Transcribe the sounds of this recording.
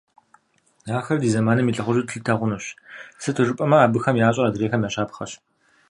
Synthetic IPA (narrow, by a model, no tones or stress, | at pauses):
aːxɐrdiːzɐmaːnɐmiːɬʼɐχʷʊʒɨtʰɬɨtʰɐʁʷʊnɐɕsɨtʰɨʐɨpʼɐmɐaːbɨxɐmjaːɕʼɐrɐdɨreːxɐmjaːɕaːpxɐ̰ɕ